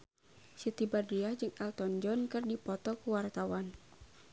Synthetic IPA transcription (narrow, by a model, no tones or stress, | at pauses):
sit̪ibadɾiad͡ʒɨŋalt̪ɔnd͡ʒɔnkɨrdipɔt̪ɔkuwart̪awan